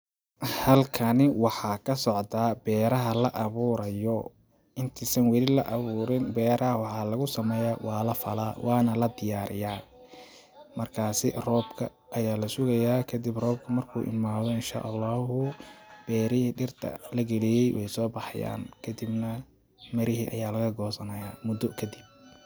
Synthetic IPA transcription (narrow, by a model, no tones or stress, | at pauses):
hɐlkʰɐnɪwɑħɑːkʰɐsɔʕt̪aːbɛːɾɐɦɐlɐʔɐβuːɾɐjɔ | ɪnt̪ʰiːsɐnwɛlɪlɐʔɐβuːɾɪnbɛːɾɐɦɐwɑħɑːlɐɣʊsɐmɛːjawɑːlɐfɐlaːwɑːnɐlɐd̪ɪjaːɾɪjaː | mɐrkʰaːsɪ̰rɔːbkʰɐ̰ | ʔːjaːlɐsʊɣɐjaːkʰɐd̪ibrɔːb̚kʰɐmɐrkʰṵːʔɪ̰nmaːðɔɪnʃa̰ːʔɑlːɑːɦʊb̥ɛːɾɪhiːɖɪrt̪ʰɐ̰lɐɡɛlijɛjwʔɛ̰jsɔːbɑħja̰ːnkʰɐd̪ibnɐ | mɐɾɪɦiːʔɐjaːlɐɣɐɡɔːsɐnɐjaːmʊd̪ɔkʰɐd̪ib̚